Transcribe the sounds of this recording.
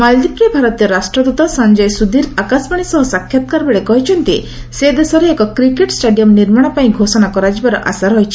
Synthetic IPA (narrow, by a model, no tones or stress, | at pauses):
mald̪ipɾebʱaɾɔt̪ijɔɾasʈɾɔd̪ut̪ɔsaɲd͡ʒɔjsud̪ʱiɾakasbaɽ̃isɔɦɔsakʰjat̪kaɾbeɽekɔɦit͡ʃʰɔnt̪i | sed̪esɔɾeːkɔkɾikeʈsʈeɖijɔmniɾmaɽ̃ɔpaĩɡʱosɔnakɔɾad͡ʒibaɾɔʔa̰saɾɦɔjt͡ʃʰi̥